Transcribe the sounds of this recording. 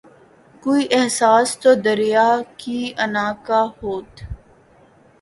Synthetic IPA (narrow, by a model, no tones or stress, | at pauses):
koːiʔɪɦsaːst̪od̪əɾijaːkiɐnaːkaːhoːt̪